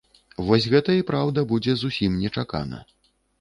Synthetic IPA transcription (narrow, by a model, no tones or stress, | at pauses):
vɔsʲɣɛt̪ɐipɾawd̪ɐbud͡zʲɛzusʲimnʲɛt͡ʂaka̰nɐ̰